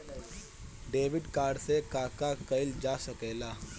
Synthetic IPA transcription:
ɖeːʋɪɖkaːɾɖsekaːkakəɪld͡ʒaːsəkeːlaː

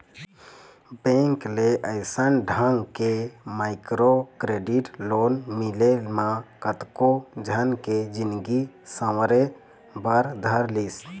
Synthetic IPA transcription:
bẽŋkleʔəɪsənɖʱəŋɡkemaɪkɾokɾeɖiʈloːnmilelmãkət̪kod͡ʒʱənked͡ʒinɡi | səwɾe | bəɾd̪ʱəɾlis

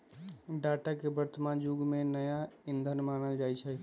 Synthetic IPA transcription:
ɖaʈakebəɾt̪əmãd͡ʒuɡmenəjaind̪ʱənmanəld͡ʒajt͡ʃʰɛ

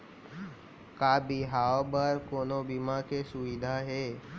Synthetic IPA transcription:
kabiɦaːobəɾkoːnobimakesʊʋid̪ʱaɦe

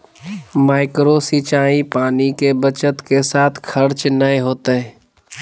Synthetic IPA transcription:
maːɪkɾosiːt͡ʃaːipaːnikebət͡ʃət̪kesaːt̪ʰkʰɐɾt͡ʃnəeɦoːt̪eɦɛː

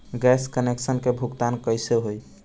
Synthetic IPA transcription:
ɡɛskəneksənkebʱukt̪ankəjseɦoj

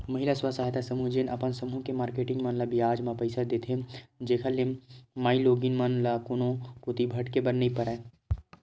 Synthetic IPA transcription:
mɐɦɪlaswasaːɦt̪ʰasɐmud͡ʒenʔɐpənsɐmukemaːɾkeːʈɪ̃ŋɡmɐnləbijaːd͡ʒmãpɐɪsad̪et̪ʰed͡ʒeːkʰalːemmaːiloːɡinmɐnlakʊnõkot̪ibʱɐʈkebɐnːipɐɾɛ

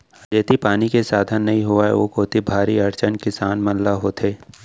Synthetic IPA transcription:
ɐd͡ʒeːt̪ipaːnikesaːd̪ʱənːɐɦĩɦʊaɛ̰ʋoːkoːt̪ibʱaːɾiɐɾt͡ʃənkɪsaːnmɐllaɦoːt̪ʰeː

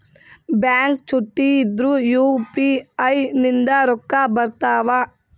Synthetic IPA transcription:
bjaːŋk̚t͡ʃuʈːiːd̪ɾujuːpiɐjnind̪ɐɾɔkːabɐɾt̪aːʋa

